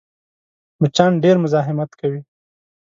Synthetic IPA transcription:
mʊt͡ʃɑːnɖeɾmʊzɑːɦɪmat̪kawi

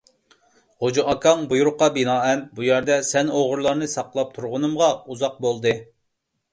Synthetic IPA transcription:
hod͡ʒɑʔɑkʰɑŋbujuɾʊqːɑbinɑːɛnbujɛɾd̪ɛsɛnoʁʊɾlˠɑɾnɨsɑqlˠɑp̚t̪ʰuɾʁʊnɨmʁɑuzɑq̚bolˠd̪ɨ

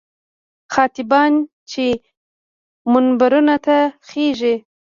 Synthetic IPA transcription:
xɑt̪ɪbɑn | t͡ʃe | mʊnbaɾunat̪axeʒi

